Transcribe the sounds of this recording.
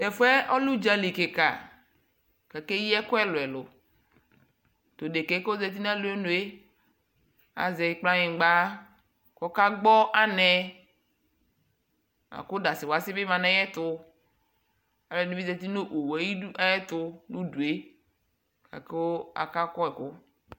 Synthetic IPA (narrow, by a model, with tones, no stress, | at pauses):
tɛ˨fu˦ɛ˦ʔɔ˦lu˦d͡ʒa˦li˨ke˨ka̰˨ | ka˨ke˦jɛ˦kʊ˦ɛ˦lʊ˨ɛ˨lʊ˨ | to˨de˨ke˨˦ko˦zɛ˨t̬i˦n˦ɛ˦lʊ˨˦e˦nʊ˨e˦ | a̰˨zɛ˨˦k͡pla˦ɲĩ˨ɡ͡ba˦ | kɔ˦ka˦ɡ͡bɔ˦ʔa˦nɛ˦ | a̰˨kʊ˦da˨sɪ˨wa˨sɪ˦bɪ˦mã˨nɛ˦jɛ˦tʊ˦ | a˨lɛ˨nu˦bi˦zɛ˨t̪i˦no˦ʔo˨we˨˦ji˦a˦jɛ˦tʊ˦nu˦du˨e˦ | ka̰˨ke˦o˦a̰˨ka˦kɔ˦ɛ˨kʊ˦